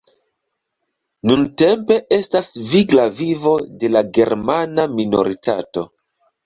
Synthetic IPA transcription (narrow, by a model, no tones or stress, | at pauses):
nunte̞mpe̞ʔe̞stasviɡlavivo̞de̞laɡe̞ɾmanamino̞̰ɾita̰to̞